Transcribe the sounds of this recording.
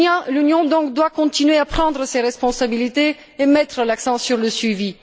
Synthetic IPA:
lynjɔ̃d̪ɔ̃kd̪wakɔ̃t̪inɥeapχɑ̃d̪ʁəseʁɛspɔ̃sabilit̪e | emɛt̪χəlaksɑ̃syʁləsɥivi

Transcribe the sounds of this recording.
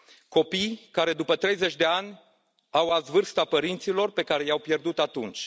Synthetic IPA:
ko̞pijkaɾe̞d̪upət̪ɾe̞jze̞t͡ʃʲd̪e̞anʲ | awazvɨrst̪apəɾint̪silo̞rpe̞kaɾe̞jawpje̞rd̪ut̪at̪unt͡ʃʲ

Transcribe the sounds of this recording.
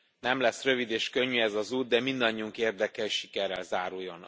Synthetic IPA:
nɛmlɛsrø̞vid̪eːʃkø̞ɲːyɛzɒzuːd̪̚d̪ɛmind̪ɒɲːiuŋkeːrd̪ɛkɛʃi̥kɛrɛ̰lzaːɾujːon

